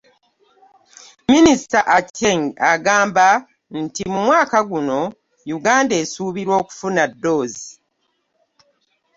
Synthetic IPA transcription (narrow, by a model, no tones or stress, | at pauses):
minisitaʔaceŋɡaɡaːmba | n̩timumwaːkaɡuno̞ | juɡaːnde̞ːsuːβiɾwo̞ːku̥funadːo̞ːzi